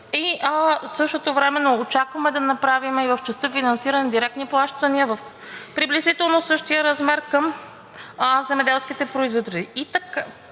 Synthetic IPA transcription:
isɤʃt̪ot̪ovɾɛmɛnoːt͡ʃakvɐmɛd̪ɐnɐpɾavimɛivəft͡ʃɛst̪ɤfinɐnsiɾənɛd̪iɾɛk̚t̪niplˠaʃt̪əniəvɐf | pɾiblɛzit̪ɛlˠnosɤʃt̪ijəɾɐzmɛɾkəm | zɛmɛd̪ɛlˠskit̪ɛpɾoizvot̪ɾd̪iit̪ɐka

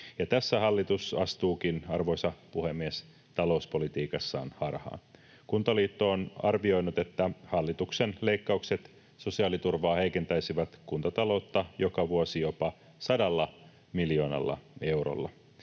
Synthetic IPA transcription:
jɑt̪æsːæhɑlːit̪usɑst̪uːkinɑrʋo̞jsɑpuhemːies | t̪ɑlo̞uspo̞lit̪iːkɑsːɑ̰ːnhɑrhɑ̰ːn | kunt̪ɑliːt̪ːoːnɑ̰rʋio̞jnut̪e̞t̪ːæhɑlːit̪uksenleikːɑukse̞t̪ | so̞siɑːlit̪urʋɑːhejke̞nt̪æjsiʋæt̪kunt̪ɑt̪ɑlo̞ut̪ːɑjo̞kɑʋuosijo̞pɑ | sɑdɑlːɑ | miljo̞ːnɑ̰lːɑ̰e̞wro̰lːɑ̰

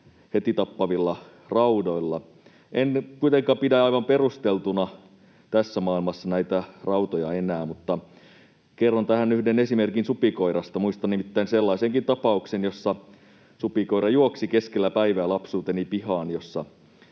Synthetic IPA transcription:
het̪it̪ɑpːɑʋilːɑ | rɑudoilːɑ | ʔenkuit̪eŋkɑːmpidæɑiʋɑmperust̪elt̪unɑ | t̪æsːæmɑːilmɑsːɑnæit̪ærɑut̪ojɑenæːmut̪ːɑ | kerːont̪æhænyhdenesimerkinsupikoiɾɑst̪ɑmuist̪ɑnimit̪ːæinselːɑiseŋkint̪ɑpɑuksenjosːɑ | supiko̞iɾɑjuoksikeskelːæpæiʋæːlɑpsuːt̪enipihɑːnjosːɑ

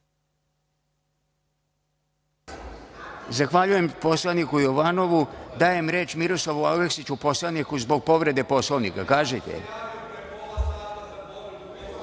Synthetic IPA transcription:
zaxʋaʎuje̞mpo̞slˠanikujo̞ʋano̞ʋud̪aːje̞mɾe̞ːt͡ʃmiɾoslˠaʋualleksit͡ɕupo̞slˠanikuzbo̞ɡ̚po̞ʋɾe̞d̪e̞po̞slˠoʋnḭkakaːʒet̪ḛ

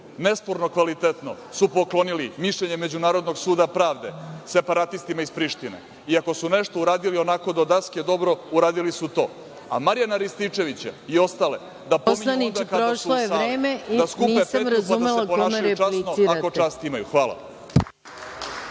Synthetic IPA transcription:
nespo̞ɾno̞kʋalit̪et̪no̞̰ | supoklˠo̞nilimiʃʎeɲeme̞d͡ʑunaːɾo̞d̪noɡsuːd̪apɾaːʋd̪e̞se̞paɾat̪ist̪imaispɾiʃt̪inḛ | iako̞suneʃt̪ouɾaːd̪ilio̞nako̞d̪od̪asked̪o̞bɾo̞uɾaːd̪ilisut̪o̞̰ː | a̰maɾjanaɾist̪it͡ʂe̞ʋit͡ɕa̰io̞st̪ale̞ | d̪apomianid̪akaɾoaʃsulojeaɾeːmed̪askunepemɾaaumeleakpoaːʃlit͡ʃanoakot͡ʃaːst̪imajṵxʋaːla̰

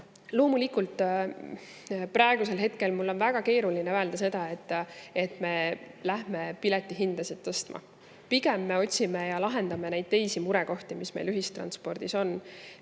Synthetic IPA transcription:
lo̞ːmulikult̪ˑ | prɑeɡ̥use̞lɦe̞t̪ke̞lmulːo̞nvæɡ̥ɑke̞ːɾulineæeld̪ɑse̞d̪̥ɑe̞t̪ːe̞t̪me̞læɦme̞pilɛt̪ːˑiɦind̪̥ɑset̪ːɤst̪mɑ̰ | piɡemːe̞o̞tʲsimejɑlɑɦe̞nd̪̥ɑme̞nejd̪̥̚t̪e̞jsimuɾɛko̞ht̪imisme̞̰jlyɦist̪rɑ̰nspo̞rd̪̥iso̞n

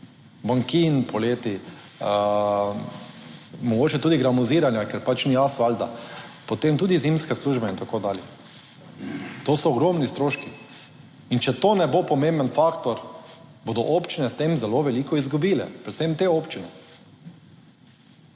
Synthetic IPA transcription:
baŋkinpɔleːt̪i | mɔɡoːt͡ʃɛt̪uːd̪iɡɾamuziːɾanjakɛɾpat͡ʃniasʋald̪a̰poɔt̪emt̪uːd̪izimskɛsluʒbɛint̪akoːd̪aːljɛ | t̪oːsɔːɡɾomnist̪ɾoːʃki | int͡ʃɛt̪oːnɛbopɔmẽmbənfakt̪ɔɾboːd̪ɔʔopt͡ʃinɛst̪emzɛloʋɛliːkɔizɡubiːlɛ̰pɾɛt̪semt̪eoːpt͡ʃinɛ

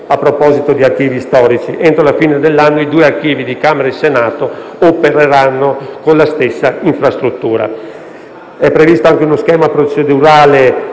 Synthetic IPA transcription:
apːɾopɔːzit̪od̪iark̟iːvist̪ɔːɾit͡ʃiʔent̪ɾolafiːned̪elːanːoid̪uːeark̟iːvid̪ikameɾaisenaːt̪oopeɾeɾanːokonlast̪esːaiɱfɾast̪ɾut̪ːuːɾa̰ | ɛpːɾevist̪oaŋkeunoskɛːmapɾot͡ʃed̪uɾaːle

